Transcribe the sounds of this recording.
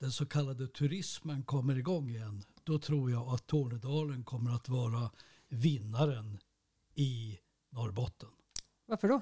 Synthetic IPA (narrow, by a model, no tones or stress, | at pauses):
d̪̥ɛnsɔkʰalːad̪ət̪ʰɵɾɪsmənkʰɔmːəɾɪɡɔŋːɪjɛnːd̪̥ɔt̪ʰɾuːɾjaat̪ʰːoːnəd̪ɑːlənkʰɔmːəɾat̪vɑːɾa | vɪnːaɾən | ɪ | nɔɾbɔt̪ʰːən | vaɾfəɖɔ